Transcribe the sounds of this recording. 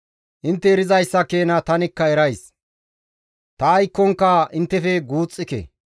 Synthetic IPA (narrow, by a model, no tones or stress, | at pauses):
ʔɪnt̪ːɛɾɪzɐjsːɐkeːnɐt̪ɐnɪkːɐɛɾɐjs | t̪ɐːjkːɔŋkːɐʔɪnt̪ːɛfɛɡuːt͡sʼːɪkḛ